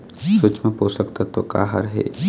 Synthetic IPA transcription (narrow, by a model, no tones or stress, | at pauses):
sʊt͡ʃmẽpoːsəkt̪at̪oka̰ːɦəɾɦɛ̰ː